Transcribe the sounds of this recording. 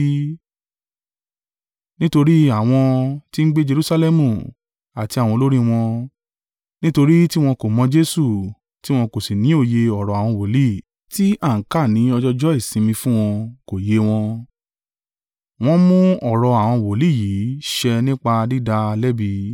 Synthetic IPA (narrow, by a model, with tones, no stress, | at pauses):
nĩ˦to˧ɾi˦a˦˨w̃ɔ̃˧ti˦n̩˦ɡ͡be˦d͡ʒe˧ɾu˦sa˧lɛ˦mũ˨ | a˨ti˧a˨w̃ɔ̃˧lo˦ɾĩ˦˧w̃ɔ̃˧ | nĩ˦to˧ɾi˦ti˦w̃ɔ̃˧ko˨mɔ̃˧d͡ʒe˦su˦˨ | ti˦w̃ɔ̃˧ko˨si˨nĩ˨˦o˦˨je˧ɔ˦˨ɾɔ˨a˨w̃ɔ̃˧wo˨li˦˨ | ti˦a˦˨ŋ̩˨˦ka˦˨nĩ˨˦ɔ˧d͡ʒɔ˦d͡ʒɔ˦i˦˨sĩ˧mĩ˧fũ˦w̃ɔ̃˧ko˨je˧w̃ɔ̃˧ | w̃ɔ̃˧mũ˦ɔ˨ɾɔ˧a˨w̃ɔ̃˧wo˨li˦˨ji˨˦ʃɛ˧nĩ˦k͡pa˧di˦da˧lɛ˦bi˧